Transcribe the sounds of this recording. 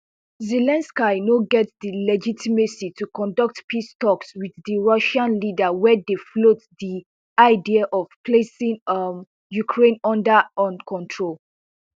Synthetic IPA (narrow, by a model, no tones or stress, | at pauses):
zɛlɛ̃nskanoɡɛtdilɛd͡ʒitʰimesitukɔ̃ndʌk̚tpistɔkswiðːiɹʌʃãnlidəwɛdeflotdi | aɪdiaʔɔv̥pʰlesĩŋ | jukʰɹẽnɔ̃ndəɔ̃nkʰɔ̃ntʰɹol